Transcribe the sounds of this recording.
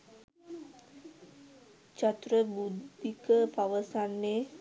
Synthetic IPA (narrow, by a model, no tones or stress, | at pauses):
t͡ʃat̪ɾəbud̪ikəpaʋəsanːe